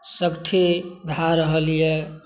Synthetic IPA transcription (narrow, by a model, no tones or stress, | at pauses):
səkʈʰid̪ʱaɾəɦəlije